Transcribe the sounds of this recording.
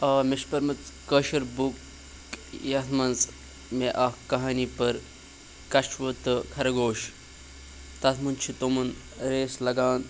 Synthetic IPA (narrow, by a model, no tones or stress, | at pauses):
ɐːmiʃpɐɾmɐt͡skəʃɐɾbuk | jɐt̪ʰmɐnt͡s | meʔɐhkɐɦaːnipɐɾ | kɐʃʋɐt̪ɨkʰɐɾɐɡoːʃ | t̪ɐt̪ʰmunt͡ʃʰit̪omɐn | ɾeːslɐɡaːn